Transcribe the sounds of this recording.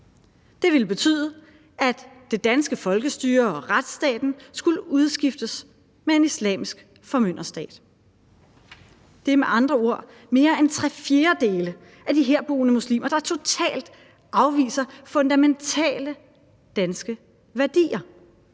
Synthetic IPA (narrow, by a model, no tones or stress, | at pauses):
d̥e̝ʋe̝lb̥e̝t͡sʰy̰ːðˠə | ʔæd̥ː | e̝d̥ænsɡ̥əfɒ̽lɡ̥əsd̥yːɐɒ̽ʁad̥sd̥ɛ̰ːd̥n̩sɡ̥uləuð̞ˠsɡ̥ifd̥əs | mee̝nislɛ̰ːmisɡ̥ | fɒ̽møn̰ɐsd̥ɛ̰ːd̥ | d̥e̝meʔɑ̈nd̥ʁɐo̝ɐ̰ | me̝ːɐent͡sʰʁɛfje̝ːɐd̥e̝ːlə | ʔæd̥iɦeɐ̰b̥o̝̰ːnəmuslḭːmɐɾ̥ɑ̈t͡sʰo̝t͡sʰɛ̰ːld̥ | ɑ̈ʊʋḭːsɐfɔ̽nd̥æment͡sʰɛ̰ːlə | d̥ænsɡ̥ə | ʋæɐd̥ḭːɐ